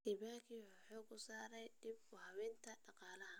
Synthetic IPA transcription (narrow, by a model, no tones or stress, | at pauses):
ʔɪβaːkʰiwʊħɔːkʰʊsaːɾɛjɖibʊhɐwɛːnt̪ʰɐɖɑqɑːlɐɦɐ